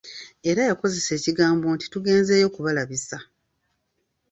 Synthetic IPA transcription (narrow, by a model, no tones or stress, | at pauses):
e̞ɾajako̞ze̞se̞ːciɡaːmbo̞nti̥tuɡe̞ːnze̞jo̞kuβalaβisa